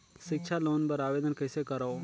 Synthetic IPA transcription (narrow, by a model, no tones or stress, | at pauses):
ʃɪkt͡ʃʰaloːnbəɾaːʋeːd̪ənkəɪsekəɾao